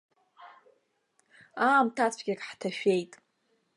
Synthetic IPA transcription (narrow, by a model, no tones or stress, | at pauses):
aːmtʰat͡sʷʰɡʲakʼħtʰaʃᶣejtʼ